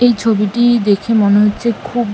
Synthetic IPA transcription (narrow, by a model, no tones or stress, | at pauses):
ejt͡ɕʰobiʈid̪ekʰemoneɦotːɕʰekʰub